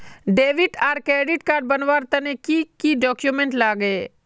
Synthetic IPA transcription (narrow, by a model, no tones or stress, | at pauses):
ɖeːʋɪʈaːɾkɾeːɖɪʈ̚kaːɾɖ̚bɐnʋaːɾt̪ɐnekikiɖɔːkjumẽɳʈlaːɡe